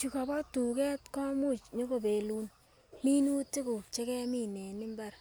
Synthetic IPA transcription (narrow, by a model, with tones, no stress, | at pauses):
t͡ʃu˨ka˨bɔ˦tu˨kɛ˦tkɔ˦mu˦˨t͡ʃɲo˦ko˨be˨lu˦n | mi˦nu˦ti˦kʊ˨t͡ʃe˦kɛ˦mi˦nɛ˨nɪ˦mba˦ɾ